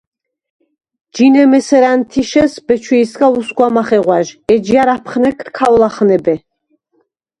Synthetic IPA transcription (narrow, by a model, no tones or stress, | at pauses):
d͡ʒinɛmɛsɛɾant̪ʰiʃɛsbɛt͡ʃʰwiːsɡausɡwamaχɛʁwaʒɛd͡ʒijaɾapʰχnɛkʰɾkʰawlaχnɛbɛ